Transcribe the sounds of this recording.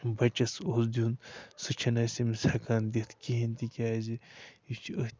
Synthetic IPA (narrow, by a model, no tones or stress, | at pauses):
bɐt͡ʃɐsosd̪ʲjunsɨt͡ʃʰɐnɐsimisakaːnd̪it̪ʰkiɦint̪ikʲaːziit͡ʃʰiə